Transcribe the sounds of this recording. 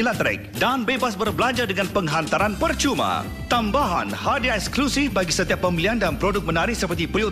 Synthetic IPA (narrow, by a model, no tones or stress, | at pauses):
lat̪ɾɛ̰k̚danbebasbərbəlaɲd͡ʒadəŋãnpəŋɦant̪aɾanpərt͡ʃumã̰ | t̪ambaɦa̰nhadiɛksklusifbaɡisət̪iapːəmiliandanmpɾodʊk̚mənaɾɪhsəpərt̪ipɾio